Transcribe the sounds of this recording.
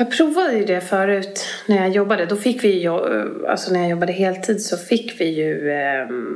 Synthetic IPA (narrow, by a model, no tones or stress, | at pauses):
jɑːɡ̚pʰɾuːvad̪əjɵd̪ɛfœːɾʉ̟ːt̪næɾjɑːjɔbːad̪əd̪ɔfɪkːvɪjjɔa̰lsɔnæɾjajɔbːad̪əɦeːlt̪ʰiːd̪sɔfɪkːvɪjɵ